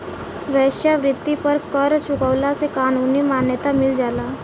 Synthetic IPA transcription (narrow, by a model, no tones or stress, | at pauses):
ʋɛʃjaʋɾɪt̪ːipəɾkəɾt͡ɕukəʋlasekanuniːmanjət̪amild͡ʒala